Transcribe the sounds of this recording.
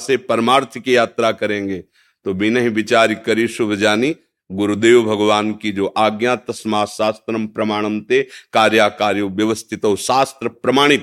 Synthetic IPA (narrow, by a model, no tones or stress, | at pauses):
sepɐɾəmaːɾt̪ʰəkijaːt̪ɾakɐɾẽːŋɡeː | t̪oːbinɐɦibɪt͡ʃaːɾikɐɾiːʃʊbʱəd͡ʒaːni | ɡʊɾud̪eːʋbʱɐɡʋaːnkid͡ʒoːʔaːɡjãːt̪ɐsmaːʃaːst̪ɾɐmpɾɐmaːɽ̃əmt̪ekaːɾjaːkaːɾjoʋjɐʋəst̪ʰɪt̪ɐɦoʃaːst̪ɾəpɾɐmaːɽ̃ɪt̪